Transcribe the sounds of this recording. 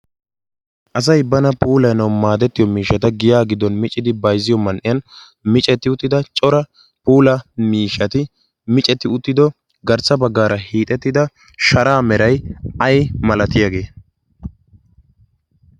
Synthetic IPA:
ʔɐs̬ɐjbɐnɐpʰuːlɐjnɐwmaːd̪ɛt̪ːɪjɔmiːʃːɐt̪ɐɡɪjaːɡɪd̪ːɔnmɪt͡ʃʼːɪd̪ɪbɐjzɪjɔmɐnʔɪjɐn | mɪt͡ʃʼɛt̪ːɪʊt̪ːɪd̪ɐt͡ʃʼɔɾɐ | puːlɐmiːʃɐt̪ɪ | mɪt͡ʃʼɛt̪ːɪʊt̪ːɪd̪ɔ | ɡɐɾt͡sːɐbɐɡːaːɾɐhiːt̪ʼɛt̪ːɪd̪ɐ | ʃɐɾaːmɛɾɐjɐjmɐlɐt̪ɪjaːɡe̞ː

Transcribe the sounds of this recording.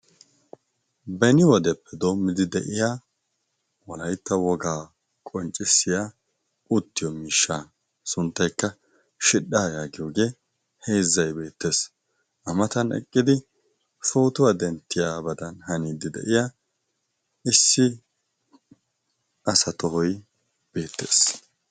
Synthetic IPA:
bɛnɪwɔd̪ɛpːɛd̪o̞ːmːɪd̪ɪd̪ɛ̰ʔɪjaː | wɔlɐjt̪ːɐwɔɡaː | kʼɔnt͡ʃʼːɪsːɪjaː | ʔʊt̪ːɪjɔmiːʃːaː | sʊnt̪ːɐjkːɐ | ʃɪɗːaːjaːɡɪjoːɡe̞ː | he̞ːzːɐjbe̞ːt̪ːe̞ːs | ʔɐmɐt̪ɐnɛ̰kʼːɪd̪ɪ | foːt̪ʊwad̪ɛnt̪ːɪjaːbɐd̪ɐnhɐniːd̪ɪd̪ɛ̰ʔɪjaː | ɪsːɪ | ʔɐsɐt̪ɔɦɔj | b̥e̞ːt̪ːḛːs

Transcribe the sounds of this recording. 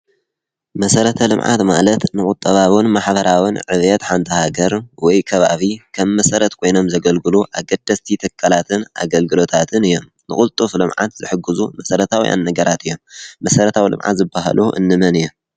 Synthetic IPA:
mɐsɐɾɐt̪ʰɐlɨmʕa̰t̪malɐt̪nɨkʼut̪ʼːɐβawɨnmaħbɐɾawɨnʕɨβjɛt̪ħant̪ʰɐhaɡɐɾwɔjkʰɐβa̰βikʰɐmːɐsɐɾɐt̪kʰo̞jno̞mzɐɡɐlɡɨluʔaɡɐd̪ːɐst̪ʰit̪ʰɐkʰʼːalat̪ʰɨnʔa̰ɡɐlɡɨlo̞t̪ʰat̪ʰɨnɨjːo̞m | nɨ̰kʼult̪ʼuflɨmʕa̰t̪z̥ɨħɨɡːɨzumɐsɐɾɐt̪ʰawḭjʔa̰nːɐɡɐɾʔat̪ʰɨjːomːɐsɐɾɐt̪ʰawilɨ̰mʕa̰t̪zɨbːaha̰lʔuʔɨ̰nːɨmɐnɨjːom

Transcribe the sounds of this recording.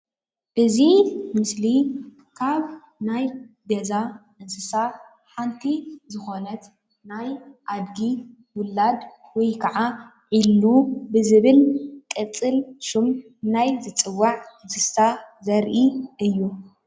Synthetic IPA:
ʔɨzimɨsli | kʰaβ | najɡɐzaʔɨnsɨsa | ħant̪ʰizɨxo̞nɐt̪ | najʔad̪ɡi | wʊlːad̪ | wɔjkʰɐʕa | ʕilːubɨzɨβɨlkʼɨt͡sʼɨlʃum | najzɨt͡sʼɨwːaʕɨnsɨssazɐɾʔiʔɨjːu

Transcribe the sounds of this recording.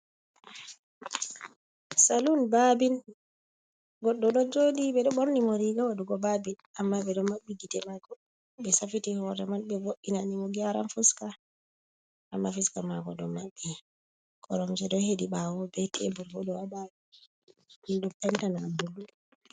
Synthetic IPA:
salunbabin | ɡɔɗːɔɗɔd͡ʒodiɓɛɗɔɓoɾnimoɾiɡawaduɡɔbabin | amːaɓɛɗɔmabːiɡitɛmaɡɔ | bɛsafitihɔɾɛmanbɛvoʔinanimɔɡiaɾa̰nfuska | ʔamːafiskamaɡɔɗɔmaɓːi | kʰɔɾɔmsɛɗɔhediɓawɔbɛtʰḛbuɾɡɔdɔwaba | ɓindupɛntanabulːu

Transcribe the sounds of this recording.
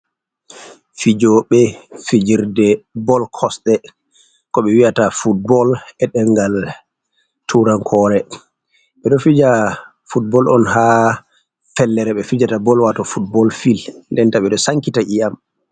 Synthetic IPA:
fid͡ʒɔɓɛfid͡ʒiɾdɛbɔlkʰɔsɗɛ | kɔɓɛwijatafut̚bɔlɛɗɛŋɡal | tʰuɾaŋkʰɔɾɛ | ɓɛɗɔfid͡ʒa | fut̚bɔlʔɔnha | fɛlːɛɾɛɓɛfid͡ʒatabɔlwatɔfut̚bɔlfilndɛntaɓɛɗɔsaŋkitaʔijam

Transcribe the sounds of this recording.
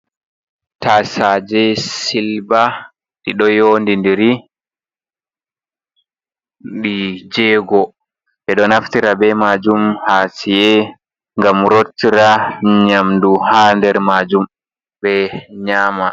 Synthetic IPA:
taːsad͡ʒɛsilba | ɗiɗɔjoːndindiɾi | ɗid͡ʒɛːɡɔ | ɓɛɗɔnaftiɾabɛmaːd͡ʒumhaːsijɛ | ŋɡamɾotːiɾaɲamduhaːndɛɾmaːd͡ʒum | bɛɲaːma

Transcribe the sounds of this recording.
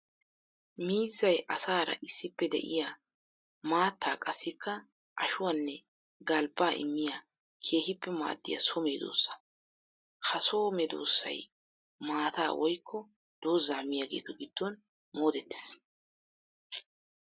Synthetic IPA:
miːzːɐjʔɐsaːɾɐ̰ʔɪsːɪpːɛd̪ɛ̰ʔɪ̰jaː | maːt̪ːaːkʼɐsːɪkʰːɐ | ʔɐʃʊwanːɛ | ɡɐlbaːʔɪ̰mːɪja | kʰe̞ːhɪpːɛma̰ːd̪ːɪja̰sɔme̞ːd̪o̰ːsːɐ̥ | hɐsoːmɛd̪o̞̰ːsːɐ̰j | maːt̪aːwʔɔjkːɔ | d̪̥o̞ːzːaːmɪjaːɡe̞̰ːt̪ɔɡɪd̪ːɔn | mo̞ːd̪ɛt̪ːe̥ːs

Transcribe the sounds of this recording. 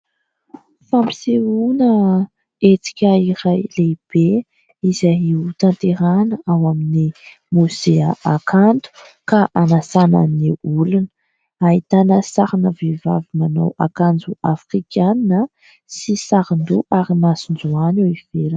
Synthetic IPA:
fampi̥seunə | et͡si̥kʲaiɾajleb̥e | izaiut̪ant̪eɾanəawamini | muzeaʔakʰant̪u̥ | kaʔanasanə̰niulunə | aɦit̪anəsaɾanəveva̰vimana̰wakand͡ʒuafrikʰʲanːə | sisaɾind̪uʔaɾimasind͡zuanewiv̥eɾə

